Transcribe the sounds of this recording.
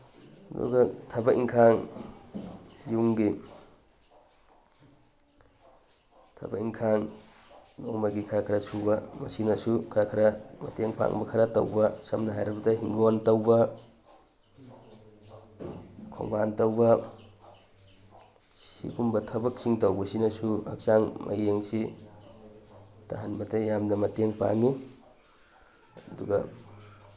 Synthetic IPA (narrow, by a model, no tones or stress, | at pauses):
dṵɡɐtʰɐbɐiŋkʰaŋ | juŋɡi | tʰɐ̰bɐiŋkʰaŋ | noŋmɐɡikʰɾakʰɾɐsubɐmɐsinɐsukʰɾakʰɾɐmɐ̰teŋpʰa̰ŋbɐkʰaɾɐto̰wbɐsɐmnɐɦajɾɐbɐdɐɦiŋɡontɐwbɐ | kʰo̰ŋbantɐwbɐ | sḭbumbɐtʰɐbɐk̚siŋtɐwbɐsinɐsuɐ̰k̚saŋmʔɐ̰jeŋsi | ta̰ɦanbɐtɐjamnɐmɐteŋpa̰ŋi | ɐduɡɐ